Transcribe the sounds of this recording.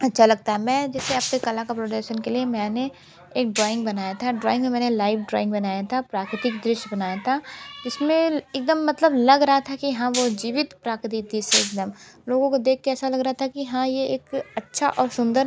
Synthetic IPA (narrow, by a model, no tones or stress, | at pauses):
ɐtːʃʰalɐɡ̚t̪aɦɛmɛ̃ːd͡ʒɛːseɐpnekɐlãkapɾoːɖəʃənkeliemɛ̃ːne | eːk̚ɖɾɔːɪ̃ŋɡbɐnaːjat̪ʰaɖɾɔːɪ̃ŋɡmẽmɛ̃ːnelaːɪfɖɾɔ̰ːɪ̃ŋɡbɐnaːjat̪ʰapɾaːkɾɪt̪ɪkd̪ɾɪʃbɐnaːjat̪ʰad͡ʒɪsmẽeːk̚d̪əmːɐt̪ləblɐɡɾɐɦat̪ʰakijɐɦãʋod͡ʒiːʋɪt̪pɾaːkɾt̪it̪iseeːk̚d̪əmloːɡõkod̪eːk̚ʰkeɛːsalɐɡɾɐɦat̪ʰakiɦãjeeːkɐtːʃʰaʔɔːɾsʊ̃nd̪əɾ